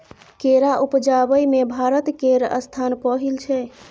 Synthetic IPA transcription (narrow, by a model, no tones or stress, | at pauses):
keɾaʔupd͡ʒabəjmebʱaɾət̪keɾə̰st̪ʰanpəɦilt͡ʃʰɛ